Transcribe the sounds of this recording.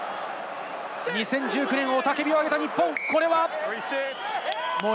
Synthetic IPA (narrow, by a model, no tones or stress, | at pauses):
ɲisẽ̞ɲ̟d͡ʑɨːkɯ̟nẽ̞ɰ̃o̞t̪ake̞bʲioaɡe̞t̪aɲipːõŋko̞ɾe̞βas | mo